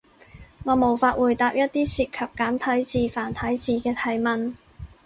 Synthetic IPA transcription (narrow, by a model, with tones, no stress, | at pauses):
ŋɔː˨˧mo˨˩wfaː˧t̚wuː˨jt̪aː˧p̚jɐ˥t̚t̪ːiː˥siː˧t̚kʰɐ˨p̚kaː˨˥mt̪ʰɐ˨˥jt͡siː˨˧faː˨˩nt̪ʰɐ˨˥jt͡siː˨˧kɛː˧t̪ʰɐ˨˩jmɐ˨n